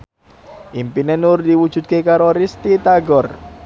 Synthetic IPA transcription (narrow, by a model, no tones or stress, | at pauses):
ʔimpinenʊrd̪iwud̥ʒ̥ṳt̪̚kekaɾoɾɪst̪it̪aɡɔr